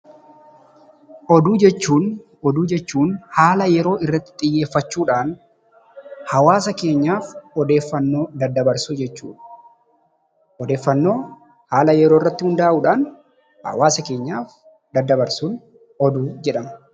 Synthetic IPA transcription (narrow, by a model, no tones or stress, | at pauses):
ʔɔd̪uːd͡ʒɛt͡ʃːuːn | ɔd̪uːd͡ʒɛt͡ʃːuːnhaːlɐjɛɾo̞ːʔɪrːɐt̪ːɪ̥t̪ʼɪjːe̞ːfːɐt͡ʃːuːᶑaːn | hɐwaːsɐke̞ːɲːaːfɔd̪e̞ːfːɐnːo̞ːd̪ɐd̪ːɐbɐɾsud͡ʒɛt͡ʃːṵːᶑɐ̥ | ʔɔd̪e̞ːfːɐnːo̞ː | haːlɐjɛɾoːɪrːɐt̪ːɪhʊnd̪aːʔuᶑaːn | hɐ̰waːsɐke̞ːɲːaːf | d̪ɐd̪ːɐbɐɾsuːn | ɔd̪uːd͡ʒɛᶑɐmɐ